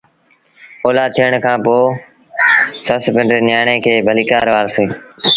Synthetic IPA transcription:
oːlaːt̪ʰiːəɳkʰãːpoː | səspɪ̃ɳɖɾeːnjaːɳeːkʰeːbʱəliːkaːɾʋaːlseː

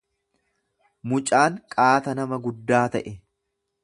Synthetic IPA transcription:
mʊt͡ʃʼaːŋkʼaːt̪ɐnɐmɐɡʊd̪ːaːt̪ɐʔɛ

